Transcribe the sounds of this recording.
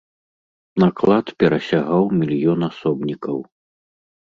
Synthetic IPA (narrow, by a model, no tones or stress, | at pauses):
naklˠat̪pʲɛɾɐsʲaɣawmʲilʲjɔnasɔbnʲikɐw